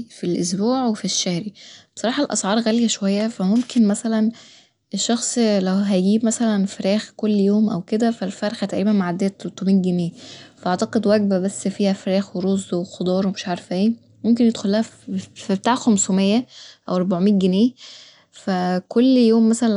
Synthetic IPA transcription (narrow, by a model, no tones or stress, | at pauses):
filʔosbuːʕwefiʃːæhɾibe̥sˤɑɾˤɑːħɑlʔɑ̰sˤʕɑːɾˤɣæljæʃowæjːæfæmomkenmæsælæn | eʃːɑxsˤlæwɦæjɡiːbmæsælænfeɾæːxkolːjoːmʔæwked̪æfælfæɾˤxæt̪æʔɾiːbænmaʕad̪ːejæt̪ɾot̪ˤːomiːnɡeneːfæʔɑʕt̪ɑqed̪wæɡ̚bæbæsːfiːhæfæɾæːxweɾozːwexod̪ˤɑːɾˤwemeʃʕɑɾefʔeː | momk̬enjed̪xolːæhæibet̪aːʕxomsumejːæʔæwɑɾˤboʕmiːnɡeneː | fækolːjoːmːæsælæ